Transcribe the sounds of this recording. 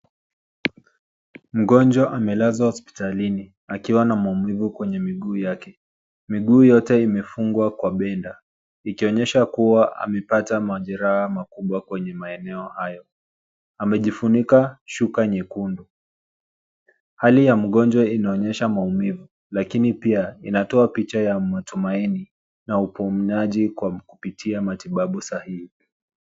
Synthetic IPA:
m̩ɠɔnd͡ʒwaʔamɛlazahɔspi̥talini | akiwanamaumivukwɛɲɛmiɠuːjakɛ | miɠuːjɔtɛimɛfuŋɡwakwaɓɛnda | ikiɔɲɛʃakuwaʔa̰mɛpatamaʄɛɾahamakuɓwakwɛɲɛmaɛnɛɔhajɔ | amɛʄifunikaʃukaɲɛkundu | halijam̩ɠɔnd͡ʒwainaɔɲɛʃamaumivu | lakinipiainatɔapit͡ʃajamatumaini | naupumnaʄikwakupitʰiamatiɓaɓusahihi

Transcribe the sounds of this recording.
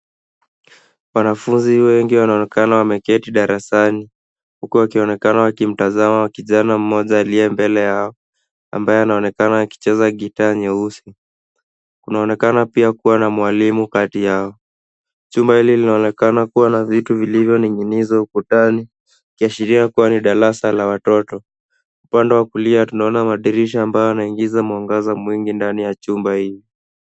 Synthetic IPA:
wanafunziwɛŋɡiwanaɔnɛkanawamɛkɛtiɗaɾasani | hukuwakiɔnɛkanawakim̩tazamawakiʄanam̩mɔʄaːliɛmbɛlɛjaɔ | a̰mbajɛanaɔnɛkanawaki̥t͡ʃɛzaɠitaːɲɛusi | kunaɔnɛkanapiakuwanamwalimukatijaɔ | t͡ʃumbahililinaɔnɛkanakuwanavituvilivjɔniŋɡinizaukutani | kiaʃiɾiakuwaniɗaɾasalawatɔtɔ | upandɛwakuliatunaɔnamaɗiɾiʃaːmbajɔanaiŋɡizamwaŋɡazamwiŋɡindanijat͡ʃumbahili

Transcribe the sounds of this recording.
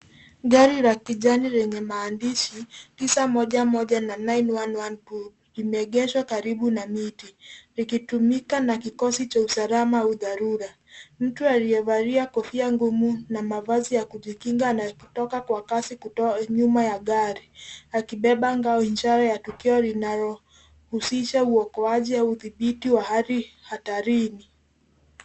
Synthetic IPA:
ɠaɾiɾakiʄaniɾɛɲɛmaːndiʃitisamɔʄamɔʄananajnwanwanpu | imɛɛɠɛʃwakaɾiɓunamitiɾikitumikanakikɔsit͡ʃausalamauðaɾuɾa | m̩tuaɾijɛvaɾiakɔfiaŋɡumunamavazijakuʄikiŋɡanakutɔkakwakasikuɔɲumajaɠaɾiakiɓɛɓaŋɡaɔiɲd͡ʒaɾajatukiɔlinaɾɔ | husiʃauɔkɔaʄiauðiɓitiwahaɾihataɾini

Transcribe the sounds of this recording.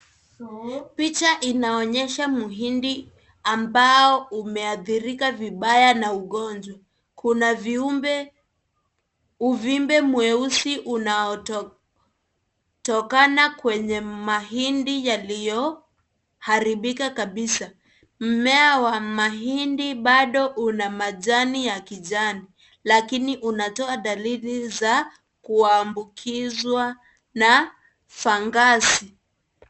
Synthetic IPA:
pit͡ʃaʔinaɔɲɛʃamuɦindi | ambaɔumɛaθiɾikaviɓajanauɠɔnd͡ʒwa | kʰunaviumbɛ | uvimbɛmuɛusiʔunaɔ | tɔkanakwɛɲɛmaɦindijalijɔ | haɾiɓikakaɓisa | m̩mɛawamaɦindiɓaɗɔʔunamaʄanijakiʄani | lakiniʔunatɔaɗaliliza | kuaːmbukʰizwa | na | faŋɡasi

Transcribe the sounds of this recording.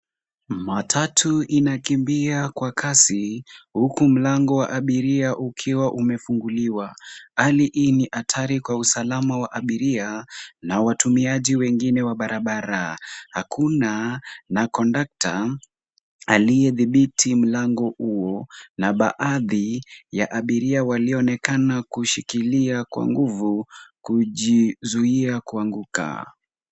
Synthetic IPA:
matʰatʰuinakimbiakwakʰasihukum̩laŋɡɔwaʔaɓiɾiaʔukʰiwaʔumɛfuŋɡuliwaaliʔiniʔatʰaɾikwausalamawaʔaɓiɾianawatumiaʄiwɛŋɡinɛwaɓaɾʔaɓaɾahakʰunanakɔndak̚ta | alijɛðiɓitʰim̩laŋɡɔhuɔnaɓaʔaðijaʔaɓiɾiawaliɔnɛkanakuʃikiliakwa̰ŋɡuvukuʄizuiakuaŋɡuka̰

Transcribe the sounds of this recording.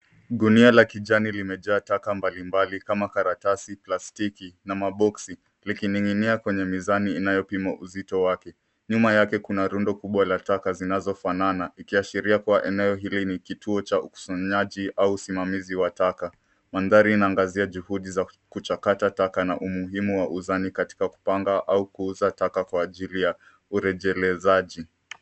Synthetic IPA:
ɗunialakiʄanilimɛʄaːtakambalimbalikamakaɾatasiplastikinamaɓɔksi | likiniŋiniakwɛɲɛmizaniːnajɔpimaʔuzitɔwakɛ | ɲumajakɛkunaɾundɔkuɓwalatakazinazɔfananaikiaʃiɾiakuaʔɛnɛɔɦilinikitʰuɔt͡ʃauku̥saɲaʄiʔauːsimamiziwataka | manðaɾiːnaːŋɡaziaʄuhuɗiza | kut͡ʃakatatakana̰ʔumuɦimuwaʔuzanikati̥kaku̥paŋɡaʔaukuuzatakakwaːʄilija | uɾɛʄɛlɛzaʄi

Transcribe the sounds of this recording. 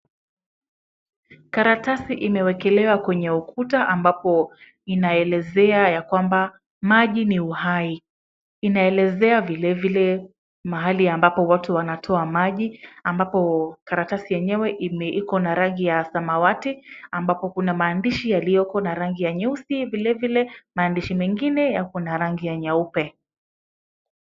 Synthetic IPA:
kaɾatasiʔimɛwɛkɛlɛwakwɛɲɛukʰutaʔambapɔ | inaɛlɛzɛajakwamba | maʄiniuhai | inaɛlɛzɛavilɛvilɛ | maɦaliambapɔwatuwanatʰɔamaʄiambapɔkaɾatasijɛɲɛwɛʔimɛʔikɔnaɾaŋɡijasamawatiambapɔkunamaːndiʃijalijɔkɔnaɾaŋɡijaɲausivilɛvilɛmaːndiʃimɛŋɡinɛjakunaɾaŋɡijaɲaupɛ

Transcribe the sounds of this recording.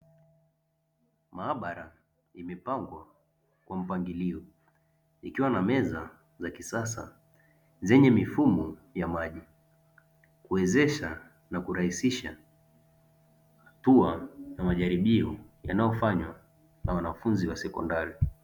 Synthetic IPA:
maːɓaɾa | imɛpaŋɡwa | kwam̩paŋɡiliɔ | ikiwanamɛza | zakisasa̰ | zɛɲɛmifumɔjamaʄi | kuwɛzɛʃa | nakuɾahisiʃa | hatuajamaʄaɾiɓiɔja̰najɔfaɲwa | nawanafunziwasɛkɔ̰ndaɾi

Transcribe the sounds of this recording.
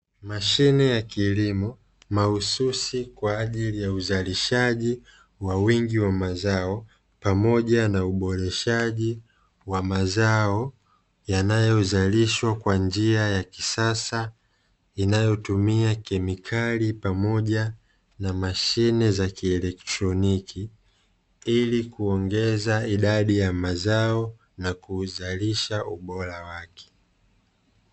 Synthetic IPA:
maʃinɛjakilimɔ | mahususikwaːʄilijauzaliʃaʄi | wawiŋɡiwamazaɔ | pamɔʄanauɓɔɾɛʃaʄi | wamazaɔ | janajɔzaliʃwakwand͡ʒiajakisasa | inajɔtumiakɛmikʰalipamɔʄa | namaʃinɛzakiɛlɛktɾɔnikʰi | ilikuɔŋɡɛzaiɗaɗijamazaɔ | nakuzaliʃauɓɔɾawakʰɛ̥

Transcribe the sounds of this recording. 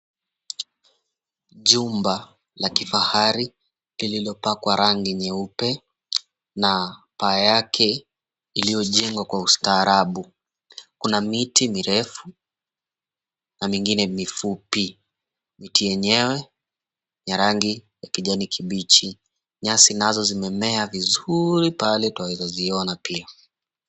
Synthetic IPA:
ʄumba | lakifahaɾi | lililɔpakwaɾaŋɡiɲɛupɛ | napaːjakʰɛ | ilijɔʄɛŋɡwakwaustaːɾaɓu | kunamitimiɾɛfu | namiŋɡinɛmifupi | mitijɛɲɛwɛ | jaɾaŋɡijakiʄanikʰiɓit͡ʃi | ɲasinazɔzimɛmɛavizuɾipalɛtwawizɔziɔnapia

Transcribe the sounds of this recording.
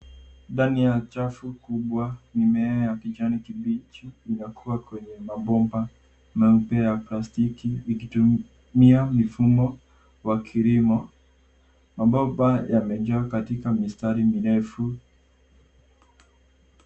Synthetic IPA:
ndanijat͡ʃafukuɓwanimɛajapid͡ʒanikiɓit͡ʃiːnakʰuwakwɛɲɛmaɓɔmba | mɛm̩pɛjaplastikiːkitu | miamifumɔ | wakʰiɾimɔ | mabɔbajamɛd͡ʒakatikamistaɾimiɾɛfu

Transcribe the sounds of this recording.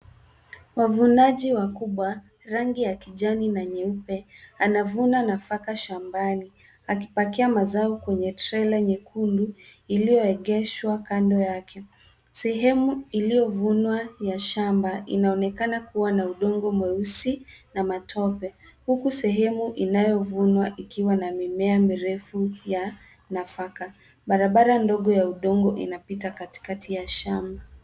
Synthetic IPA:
wavunaʄiwakuɓwa | ɾaŋɡijakiʄaninaɲɛupɛanavunanafakaʃambani | ak̬ipakiamazaɔkwɛɲɛtɾɛlaɲɛkʰunduilijɔɛɠɛʃwakandɔjakʰɛ | sɛɦɛmuilijɔvunwajaʃambaʔinaɔnɛkanakuwanauɗɔŋɡɔmwɛusinamatʰɔpɛhukusɛɦɛmuʔinajɔvunwaʔikiwanamimɛamiɾɛfuja | nafaka | ɓaɾaɓaɾandɔɠɔjauɗɔŋɡɔʔḭnapitakati̥katʰijaʃamba

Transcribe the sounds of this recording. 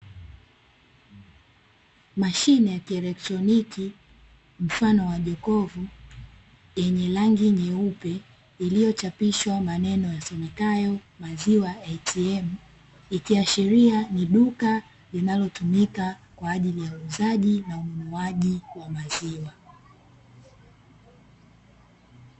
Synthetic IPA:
maʃinɛjakiɛlɛk̚tɾɔniki | m̩fanɔwaʄɔkɔvu | jɛɲɛlaŋɡiɲɛupɛ | ilijɔt͡ʃapiʃwamanɛnɔjasɛmɛkajɔ | maziwaɛtʰiɛm | ikiaʃiɾianiɗuka | linalɔtumikakwaːʄilijauːzaʄinaumunuaʄiwamaziwa

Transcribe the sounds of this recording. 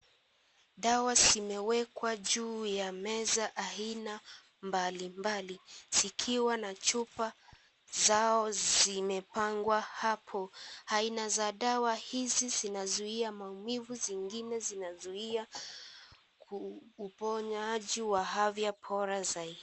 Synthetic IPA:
ɗawazimɛwɛkwaʄuːjamɛzaʔaina | mbalimbaliz̥ikʰiwanat͡ʃupa | zaɔzimɛpaŋɡwahapʰɔainazaɗawahizizinazuiamaumivuziŋɡinɛzinazuia | kuːpɔɲaʄiwaɦavjapʰɔɾazaiɗi

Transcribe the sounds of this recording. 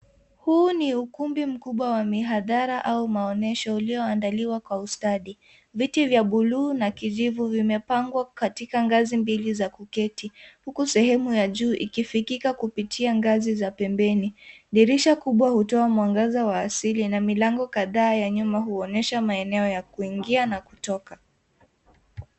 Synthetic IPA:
huːniukumbim̩kuɓwawamiɦaðaɾaʔaumaɔnɛʃɔiliɔandaliwakwaustaɗi | vitivjaɓuluːnakiʄivuvimɛpaŋɡwakatikaŋɡazimbilizakukɛtihukusɛhɛmujaʄuːʔikifikikakupitʰiaŋɡazizapɛmbɛniɗiɾiʃakuɓwahutɔamwaŋɡazawaːsilinamilaŋɡɔkaðaːjaɲumaɦuɔnɛʃamaɛnɛɔjakuiŋɡianaku̥tɔka

